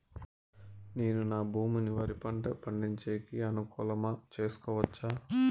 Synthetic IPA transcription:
neːnunaːbʱuːmuniʋɐɾipɐɳʈɐpɐɳɖiɲt͡ʃeːkiɐnukuːlɐmɐt͡ʃe̞ːsu̥kɔːʋɐt͡ʃːaː

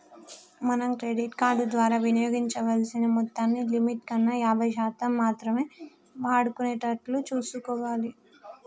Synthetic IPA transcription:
mɐnɐmkɾeɖiʈkaːɾɖud̪ʋaːɾaːʋinijoːɡiɲt͡ʃɐʋɐlsinɐmɔt̪ːaːnːilimiʈkɐnːɐjaːbʱɐjʃaːt̪ɐmːaːt̪ɾɐme̞ː | ʋaːɽukuneːʈɐɾʈlut͡ʃuːsukɔːʋaːli

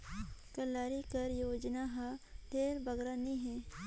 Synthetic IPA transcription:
kɐlaːɾikɐɾjoːd͡ʒnaɦãd̪eːɾbɐɡɾaniɦɛ̃ː

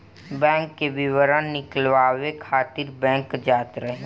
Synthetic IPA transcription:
bɛ̃ːŋkːeʋɪʋəɾənnɪkəlʋaːʋekʰaːt̪ɪɾbɛ̃ːŋkd͡ʒaːt̪ɾəɦe

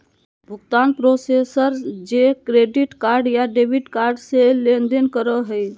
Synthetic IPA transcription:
bʱʊɡt̪anpɾosesəɾd͡ʒekɾeɖiʈkaɾɖjaɖebʱiʈkaɾɖselend̪enkəɾəɦəj

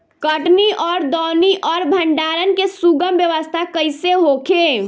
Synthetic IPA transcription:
kəʈniʔɔːɾd̪ɔːniʔɔːɾbʱəɳɖaːɾənkesuɡəmbjəʋəst̪ʰakəɪseɦokʰe

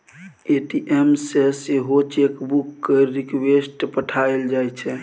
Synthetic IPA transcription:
eʈiʔemseseɦot͡ʃekbukːeɾikwesʈpəʈʰaeld͡ʒajt͡ʃʰɛ

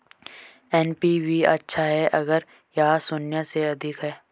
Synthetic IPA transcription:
ɛnpiʋiɐtːʃʰaɦɛʔɐɡəɾ | jɐɦasʊnjaseɐd̪ʱɪkɦɛː

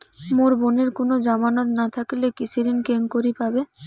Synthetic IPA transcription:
moɾboneɾkonod͡ʑamanot̪nat̪ʰakilekit͡ɕʰiɾinkeŋkoɾipabe

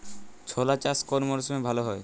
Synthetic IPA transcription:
t͡ɕʰolat͡ɕaskonmoɾsumebʱaloɦɔe

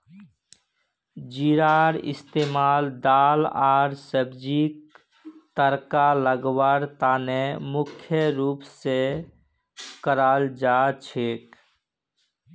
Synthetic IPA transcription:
d͡ʒiɾaːɾɪ̰st̪eːmaːld̪aːlaːɾsəbd͡ʒik̚ | t̪əɾkaləɡwaɾt̪aːnemʊkʰjəɾuːpse | kəɾaːld͡ʒat͡ʃʰeːk

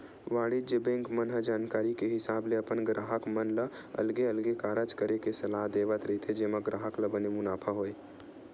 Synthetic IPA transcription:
ʋaːɽid͡ʒəbẽːŋkmənɦəd͡ʒaːnkaːɾikeɦɪsaːbleɐpənɡɾaːɦəkmənlə | ɐ̰lɡeɐlɡekaːɾət͡ʃkəɾekesɐlaːɦd̪eːʋət̪ɾɐit̪ʰed͡ʒeːməɡɾaːɦəkləbənemʊnaːpʰaɦoːeː

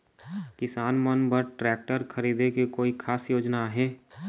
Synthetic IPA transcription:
kɪsaːnmənbəɾʈɾɛːk̚ʈəɾkʰəɾiːd̪ekekoːikʰaːsjoːd͡ʒnaɦɛː

